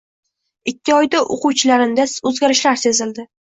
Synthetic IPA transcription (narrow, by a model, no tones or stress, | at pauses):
ɪkʲːɪɒjd̪aʔo̰quwt͡ʃʰɪlaɾɪmd̪aɵzɡʲaɾɪʃlaɾse̞zɪld̪ɪ